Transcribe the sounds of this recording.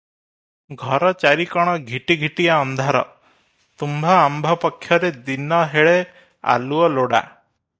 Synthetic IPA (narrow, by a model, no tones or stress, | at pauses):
ɡʱɔɾɔt͡ʃaɾikɔɽ̃ɔɡʱiʈiɡʱiʈijaɔnd̪ʱaɾɔ̰ | t̪umbʱaambʱɔpɔkʰːjɔɾed̪inɔɦeɭe | a̰luɔloɽa̰